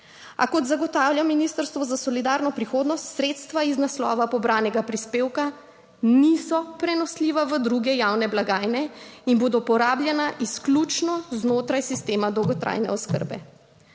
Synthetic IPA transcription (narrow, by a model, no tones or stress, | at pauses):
a̰kɔt̪zaɡɔt̪aːwljaminist̪əɾst̪ʋɔzasɔlid̪aːɾnɔpɾixoːd̪nɔst̪sɾeːt̪st̪ʋaiznaslɔ̰ːʋapɔbɾaːnɛɡapɾispeːwka | nisɔpɾɛnɔsliːʋaʋəd̪ɾuɡɛjawnɛblaɡaːjnɛinboːd̪ɔpɔɾaːblʲjɛnaʔisklʲut͡ʃnɔznoːt̪ɾajsist̪eːmad̪ɔwɡɔt̪ɾʔa̰jnɛ̰ɔskə̰ɾbɛ̰